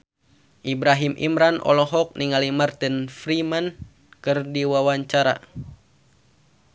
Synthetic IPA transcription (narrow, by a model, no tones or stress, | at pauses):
ʔibɾaɦimʔḭmɾanʔɔ̰lɔɦɔk̚nʔiŋalimart̪infɾiman | kɨrdiwawaɲt͡ʃaɾa̰